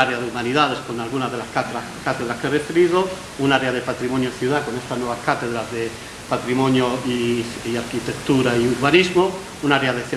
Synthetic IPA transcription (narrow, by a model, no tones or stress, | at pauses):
aɾeaðeumaniðaðeskonalɣunaðelaskat̪ɾa | kat̪eð̞ɾaskerefɾiðo | unaɾeaðepat̪ɾimonjoiθjuðakonest̪aznweβaskat̪eðɾazðe | pat̪ɾimonjoiaɾkit̪ekt̪uɾaiuɾβanizmo | unaɾeaðeθe